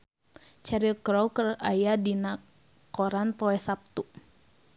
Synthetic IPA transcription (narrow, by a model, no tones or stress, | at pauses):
t͡ʃɛɾilkɾɔwkərajadina | kɔɾanpɔɛsap̚t̪u